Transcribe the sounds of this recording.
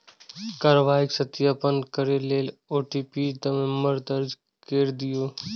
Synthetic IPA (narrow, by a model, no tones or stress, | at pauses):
kaːɾəʋaːɪksət̪jaːpənkəɾeleːloːʈiːpiːd̪əmeməɾd̪əɾd͡ʒ | keːɾd̪ɪjoː